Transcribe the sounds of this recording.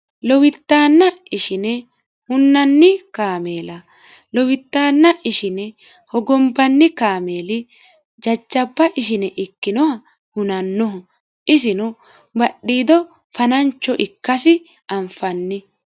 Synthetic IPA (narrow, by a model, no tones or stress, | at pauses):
lɔwɪt̪ːaːnːɐɪʃɪnɛ | hʊnːɐnːɪkaːme̞ːlɐ | lɔwɪt̪ːaːnːɐʔɪʃɪnɛ | hɔɡɔmbɐnːɪkaːme̞ːlɪ | d͡ʒɐd͡ʒːɐbːɐʔɪʃ̬ɪnɛʔɪkːɪnɔhɐ | hʊnɐnːɔɦɐ | ʔɪs̬ɪnɔ | bɐɗːiːd̪ɔ | fɐnɐnt͡ʃːɔʔɪkːɐsɪ | ɐmfɐnːɪ